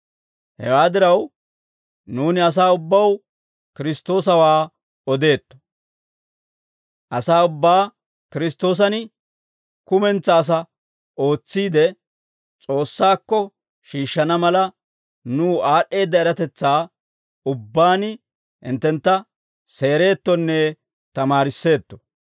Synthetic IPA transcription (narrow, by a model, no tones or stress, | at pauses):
hɛ̰waːd̪ɪɾɐw | nuːnɪɐs̬aːʊbːɐw | kɪɾɪst̪o̞ːsɐwaː | ɔd̪e̞ːt̪ːɔ̥ | ʔɐsaːʊbːaː | kɪɾɪst̪o̞ːs̬ɐnɪ | kʊmɛnt͡sːɐːs̬ɐ | o̞ːt͡sːiːd̪ɛ | t͡sʼo̞ːsːaːkːɔ | ʃiːʃːɐnɐmɐlɐ | nuːaːʔːe̞ːd̪ːɐɛɾɐt̪ɛt͡sːaː | ʊbːaːnɪ | hɪ̰nt̪ːɛnt̪ːɐ | se̞ːɾe̞ːt̪ːɔnːɛ | t̪ɐmaːɾɪsːe̞ːt̪ːɔ̥